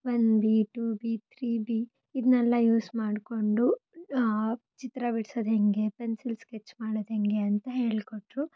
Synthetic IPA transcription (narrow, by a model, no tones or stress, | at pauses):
ʋɐnd̪biʈuːbiːt̪ʰɾiːbi | id̪nɛlːɐjuːsmaːɖko̞ɳɖu | t͡ʃit̪ɾɐbiɽsod̪ɦeŋɡe̞pensilsket͡ʃːmaːɽod̪ɦeŋɡe̞ɐnt̪ɐɦe̞ːɭkoʈɾu